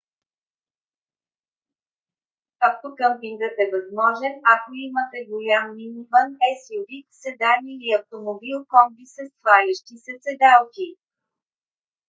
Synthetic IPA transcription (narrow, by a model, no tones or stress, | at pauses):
ɐft̪okəmpiŋɡ̪ət̪ɛvɐzmɔʒɛnɐkoimət̪ɛɡolʲamːinivənɛsiɾiksɛd̪anʲiiɐft̪omobilˠkɔmbisɛst̪valʲiʃt̪isɛt̪sɛd̪alˠki